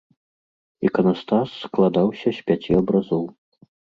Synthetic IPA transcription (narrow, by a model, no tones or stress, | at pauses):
ḭkɐnast̪asːklˠad̪awsʲɐsʲpʲat͡sʲiɐbɾazɔw